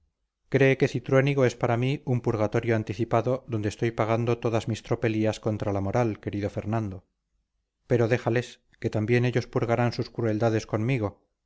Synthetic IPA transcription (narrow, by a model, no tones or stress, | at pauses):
kɾe̞ːke̞θit̪ɾwe̞niɣo̞e̞spaɾamiumpuɾɣat̪o̞ɾjoant̪iθipaðo̞ðo̞nd̪est̪o̞jpaɣ̞and̪o̞t̪o̞ðazmist̪ɾo̞pe̞liasko̞nt̪ɾalamo̞ɾalke̞ɾiðo̞fe̞ɾnãnd̪o̞ | pe̞ɾo̞ðe̞xale̞s | ke̞t̪ambje̞ne̞ʎo̞spuɾɣaɾansuskɾue̞ld̪aðe̞sko̞nmiɣ̞o̞